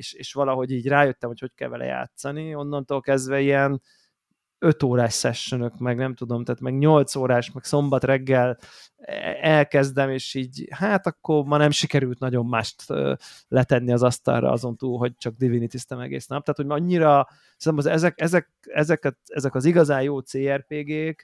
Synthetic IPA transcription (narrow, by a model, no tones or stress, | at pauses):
eʃeːʃʋɒlɒɦo̞ɟiːɟraːjøt̪ːɛmhocockɛ̰lvɛlʔɛ̰ja̰ːt̪sɒnio̞nːɒnt̪oːlkɛzd̪vɛiɛn | ø̞t̪oːɾaːʃsɛʃːønø̞kmɛɡnɛmt̪ud̪o̞mt̪aːt̪mɛɡɲo̞lt̪soːɾaːʃmɛkso̞mbɒt̪rɛɡːɛl | ɛlkɛzd̪ɛmeːʃiːɟhaːt̪ɒkːo̞rmɒnɛmʃikɛɾylt̪nɒɟo̞mːaːʃt̪ø̰ːlɛt̪ɛnːiɒzɒst̪ɒ̰rːɒ̰ɒ̰zo̞nt̪uːlɦo̞ɟ̚t͡ʃɒɡ̚d̪ivinit̪ist̪ɛmɛ̰ɡḛːsnɒp̚t̪aːt̪homɒɲːiɾɒ | snɛmɒzɛzɛkɛzɛk̚ | ɛzɛkɛɛzɛkɒziɡɒzaːjjoːt̪seːɛrpeːɡeːk